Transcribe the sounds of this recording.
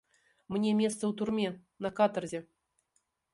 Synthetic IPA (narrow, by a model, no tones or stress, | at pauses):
mnʲemʲest̪səwt̪urmʲe | nɐkat̪ərzʲe